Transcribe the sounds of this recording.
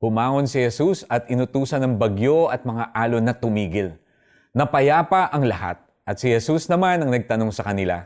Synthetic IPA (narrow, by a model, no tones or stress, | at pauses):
hʊmaːŋo̞nsɪhɛsusɐt̪ɪnʊt̪uːsɐnɐŋbɐɡjo̞ʔɐt̪̚mɐŋaʔaːlonɐt̪ʊmiːɡɪl | nɐpɐjaːpɐʔɐŋlɐha̰t̪̚ | ʔɐt̪̚sɪhɛsusnɐmanɐŋnɐɡ̚t̪ɐno̞ŋsɐkɐnɪla̰